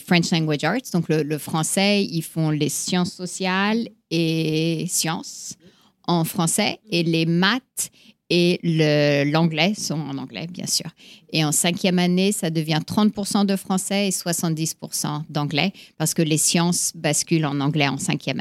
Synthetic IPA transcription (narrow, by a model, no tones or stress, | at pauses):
fχɛ̃nt͡ʃlɛ̃ŋɡwad͡ʒaʁt̪d̪ɔ̃klələfχɑ̃sɛilfɔ̃lesjɑ̃sːɔsjal | esjɑ̃s | ɑ̃fχɑ̃sɛelemat̪ | eləlɑ̃ɡlɛsɔ̃ɑ̰̃nɑ̃ɡlɛ̰bjɛ̰̃sy̰ːʁeɑ̃sɛ̃kʲjɛmanesad̪əvjɛ̃t̪χɑ̃t̪̚puʁsɑ̃d̪əfχɑ̃sɛeswasɑ̃t̪̚d̪ispuʁsɑ̰̃d̪ɑ̃ɡlɛpaʁsə̥kəlesjɑ̃sbaskʲylɑ̃nɑ̃ɡlɛɑ̰̃sɛ̃kʲjɛm